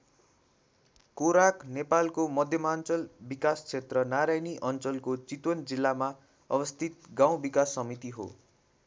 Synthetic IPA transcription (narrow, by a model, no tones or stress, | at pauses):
koɾaknepalkomʌd̪ʱjʌmant͡sʌlbikast͡sʰet̪rʌnaɾajniʔʌnt͡sʌlkot͡sit̪wʌnd͡zilːama | ʌbʌst̪ʰit̪̚ɡaw̃bikasːʌmit̪iɦo̰